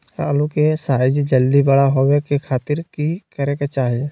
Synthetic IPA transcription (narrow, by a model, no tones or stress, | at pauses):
əlukesaːɪd͡ʒd͡ʒəld̪ibəɽaɦowekekʰaːt̪ɪɾkikəɾeket͡ʃaːɦie